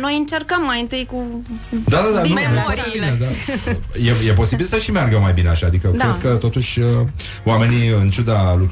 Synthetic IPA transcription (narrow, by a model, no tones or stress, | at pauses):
no̞jɨnt͡ʃe̞rkəmːajɨnt̪ɨjkud̪ad̪ad̪anujefwaɾt̪ebined̪ajeje̞po̞sibilsəʃimearɡəmajbine̞aʃaad̪ikədk̪ɾekət̪o̞t̪uʃʲə | oame̞niɨnt͡ʃud̪aluk